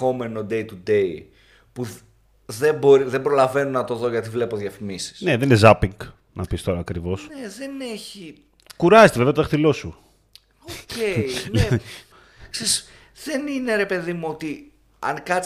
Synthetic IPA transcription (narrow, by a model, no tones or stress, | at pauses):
o̞me̞no̞d̪e̞jt̪ud̪e̞i | pu | ðe̞mbo̞ɾiðembɾo̞lɐve̞nunɐt̪o̞ðo̞ʝɐt̪ivle̞poðjɐfimisi̥sne̞ðeninezɐpiŋɡ | nɐpist̪o̞ɾɐːkɾivo̞sneðe̞ne̞çi | kuɾɐzet̪evevɐt̪oθilo̞su | ocei | kseis | ðe̞nine̞ɾe̞pe̞ðimuo̞t̪i | ɐ̰ŋkɐ